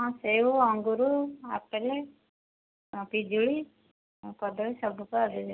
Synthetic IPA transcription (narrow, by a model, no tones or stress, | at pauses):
ɔ̃seuɔŋɡuɾua̰pele | pid͡ʒuɭi | kɔd̪ɔisɔbʱukɔad̪id͡ʒi